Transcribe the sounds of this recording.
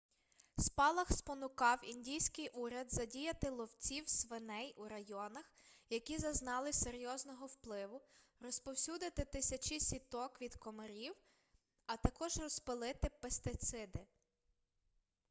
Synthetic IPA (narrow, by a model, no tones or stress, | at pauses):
spɑlˠɐxspɔnʊkɑwindʲijsʲkɪjʔuɾʲɐd̪zɐdʲijɐt̪ɪlˠɔwt͡sʲiwsʋenɛjuɾɐjɔnɐxjɐkʲizɐznɑlˠɪseɾʲjɔznɔɦɔwplˠɪʋʊrɔspɔwsʲud̪ɪt̪ɪt̪ɪsʲɐt͡ʃisʲit̪ɔkʋʲid̪kɔmeɾʲiw | ɐt̪ɐkɔʒrɔspɪlˠɪt̪ɪpest̪ɪt̪sɪd̪ɪ